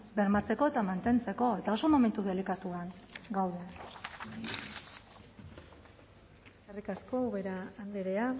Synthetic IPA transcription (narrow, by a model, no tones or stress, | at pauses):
be̞ɾmat͡se̞ko̞e̞t̪amant̪e̞nt͡se̞ko̞e̞t̪ao̞so̞mo̞me̞nt̪uðe̞likat̪uanɡawðe | eskerikasko̞uɣeɾaːnd̪eɾea